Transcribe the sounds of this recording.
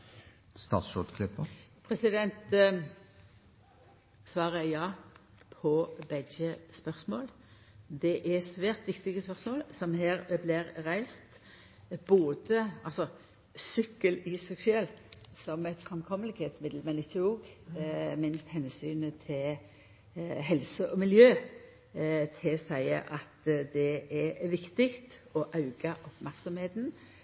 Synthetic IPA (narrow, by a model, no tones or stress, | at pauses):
st̪ɑ̰ːt̪sʃɔd̪kʰlɪpːəpʰɾɛsɪd̪ɛnt̪ | sʋɑːʁəjɑː | pʰɔbɛdd͡ʒəspœʁsmoːl | d̪ɛʔæsʋæːʁt̪ʋɪkt̪ɪɡəspœʁsmoːlsɔmhæːɾblɪɾɾæɪst̪ | b̥oːd̪əɑlsɔ | sʏkːəlɪsɛksʉɛlsɔmɛɪt̪fʁɑmkʰɔmːəlɪɡheːt̪smɪd̪lmɛnɪt̪uːɡ | mɪnst̪hɛnsyːnət̪ʰɪl | ɦɛlsəʔɔmɪljøː | t̪ʰɪsæɪə̰ʔɑt̪d̪ɛʔɛʋɪkt̪ɪkt̪ɔʔɑʉɡɑʔɔpmæʁksɔmheːt̪n̩